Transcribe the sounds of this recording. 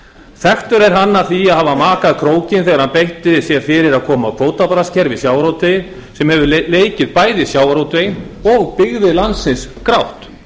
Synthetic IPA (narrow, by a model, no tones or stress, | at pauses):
θɛht̪ʏɾɛɾ̥ɦanːaθiahavamaːkaðkʰɾoːwcɪnθɛɣaɾhanpejht̪ɪðsjɛɾ̥fɪːɾɪɾaðkʰɔːmaðkʰvoːwt̪apaɾascʰɛɾvɪsjaːwɾowt̪vej | sɛmhɛvʏɾleːjcɪðpaːjðɪsjawɾowt̪ejɔɣpɪɣðɪlant̪sɪnskɾawht̪